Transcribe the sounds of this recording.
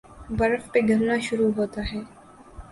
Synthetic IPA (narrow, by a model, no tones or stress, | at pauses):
bɐɾəfpeɡʱɐɾnaʃʊɾuɦoːt̪aɦɛː